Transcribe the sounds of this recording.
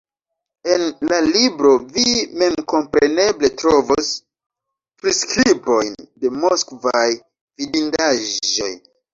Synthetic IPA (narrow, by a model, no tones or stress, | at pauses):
e̞nlalibɾo̞vime̞mko̞mpɾe̞ne̞ble̞tɾo̞vos | pɾiskɾibo̞jnde̞moskvaj | vidindaʒo̞̰j